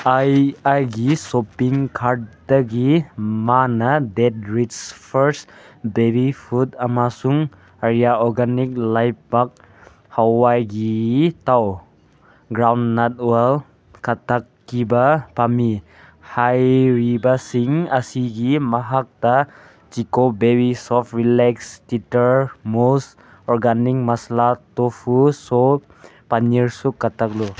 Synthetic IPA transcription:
ajajɡisopiŋkʰaɾd̚daɡimanɐdet̚ɾitspʰəɾsdebipʰut̚amasuŋ | aɾijaɔɾɡanik̚lajpak̚ | hawajɡitaw | ɡɾawnːat̚wel | kat̪akːibapami | hajɾibasiŋasiɡimaɦak̚ta | t͡ʃikobebisɔftrilɛkstitəɾmos | ɔrɡanik̚masalat̪ofuso | paɲiɹsukːat̪ak̚lo

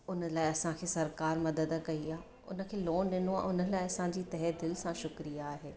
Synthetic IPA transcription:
ʊnə̆laːɪɐsãkʰeːsɐɾkaːɾmɐd̪əd̪kɐiaː | ʊ̰nə̆kʰeːloːnɗɪnoa̰ːʔʊnəlaːɪɐsãd͡ʑiːt̪ɐɦed̪ɪlsãʃʊkɾijaːɦeː

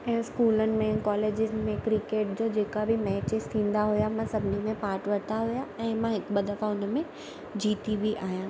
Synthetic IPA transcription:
ɛ̃ːskuːlənɪ̆mẽkɔːleːd͡ʑɪzmẽkɾɪkeːʈ̚d͡ʑoːd͡ʑeːkabʱɪmɛːt͡ɕɪz̥t̪ʰĩːn̆d̪aɦujamãsɐbʱɪnimẽpaːɾʈʋɐt̪aɦʊjaɛ̃ːmãɦɪkɓəd̪ɐfaʊnmẽ | d͡ʑiːt̪ibiʔaːɦjãː

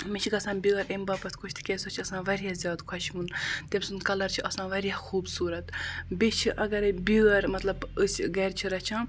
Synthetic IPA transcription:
met͡ʃʰiɡɐsãːnbiɐɾembaːpɐt̪ʰkʰot͡ʃʰt̪ʰi̥kʲesot͡ʃʰɐsãːʋɐɾjaːzʲjaːd̪kʰɐʃmunt̪emʲsunkɐlɐɾt͡ʃʰiʔɐsãːʋɐɾijaːxuːbsuːɾɐt̪bet͡ʃʰiʔɐɡɐɾebiɐɾmɐt̪lɐbəsʲɡɐːɾʲt͡ʃʰiɾɐt͡ʃʰãː

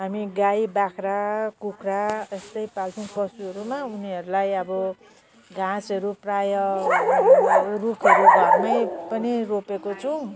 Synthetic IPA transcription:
ɦamiɡajbakʰrakukʰraest̪ʌjpalpinpʌsuɦʌɾumauniʌɾulajʌbʌ | ɡãt͡sʌɾuprajʌurukʰʌɾuamʌjpʌniropekot͡sʰʌw̃

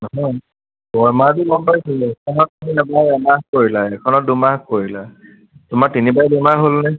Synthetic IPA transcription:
nɔɦɔj | bɔjmaɹdumɔnpajsilɛkʰɔnɔt̚amiɛbajɛmakoɹilaɛkʰɔnɔt̚dumakoɹila | tʊmaɹtinibajdumaɦolnɛ

